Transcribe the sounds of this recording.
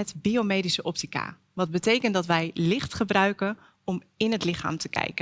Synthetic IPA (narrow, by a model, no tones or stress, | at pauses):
ɛtbiomejdisəʔɔp̚tika̰ | ʋɑt̚bətejkəndɑtʋɛjlɪχtχəbrœɥkən | ɔmɪnɦətlɪχa̰ːmtəkɛ̰jkə